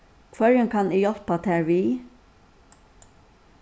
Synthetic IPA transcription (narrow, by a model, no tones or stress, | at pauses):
kʰvœɹəŋkʰanijɔlpat̪ʰɛːɹʋiː